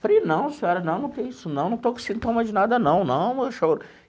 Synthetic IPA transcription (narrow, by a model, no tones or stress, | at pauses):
fɾinɐ̃w̃siɔɾɐnɐ̃w̃nɐ̃w̃t̪ẽj̃isʊnɐ̃w̃nɐ̃w̃t̪oke̥sid̪ʊt̪ɐ̃mɐd͡ʒɪnad̪ɐnɐ̃w̃nɐ̃w̃meʃoɾ